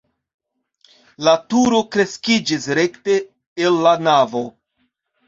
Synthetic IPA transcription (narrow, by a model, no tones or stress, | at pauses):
latuɾo̞kɾe̞skid͡ʒisɾe̞kte̞ː | lːanavo̞